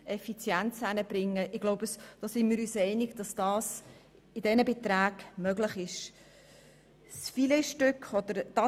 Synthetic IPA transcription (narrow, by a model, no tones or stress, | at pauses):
ɛfit͡sjænt͡sænəb̥ɾɪŋːəʔɪɡloʊbəsd̥ɔːsɪnmɪːɾyːsɛɪnɪɡ̥d̥ɑsd̥ɑːs | ɪdɛnəbet̪ræːɡ̥mœɡlɪχɪʃ | sfilɛʃtʏkχɔd̥̪əɾd̥ɑ